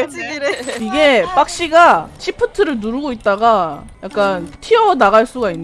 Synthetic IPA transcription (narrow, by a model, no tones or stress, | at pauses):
iɡe̞p͈ak̚ɕ͈iɡat͡ɕʰipʰɯtʰɯɾɯɭnuɾuɡoit̚t͈aɡa | jak̚k͈antʰiʌnaɣaɭs͈uɡainː